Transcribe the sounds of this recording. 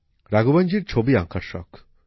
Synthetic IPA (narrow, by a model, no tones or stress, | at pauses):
ɾaɡuband͡ʒiɾt͡ʃʰobiaŋkaɾʃɔ̰k